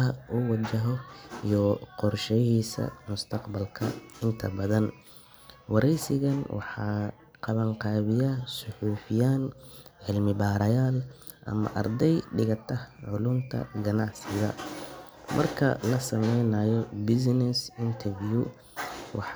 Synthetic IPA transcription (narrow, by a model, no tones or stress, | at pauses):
ɐʔʊwɑt͡ʃɐɦɔijɔqɔrʃɛjiːsɐ̰mʊst̪ʰɐqbɐlkʰɐɪnt̪ʰɐbɐðɐn | wɑɾɛjsɪɣɐnwʔɑ̰ħɑː | qɑβɐŋqɑːβɪjasʊħuːfɪjaːnʕɪlmɪbaːɾɐjaːl | ʔɐ̰mɐ̰ʔɐ̰rd̪ɛjɖɪɣɐt̪ʰɐhʕʊlʊnt̪ʰɐ̰ɡɐnɑʕsɪɣɐ̰ | mʔɐ̰rkʰɐ̰lɐsɐmɛjnaːjɔbɪs̬nɛsɪnt̪ʰɛrvju | wɑ̰ħ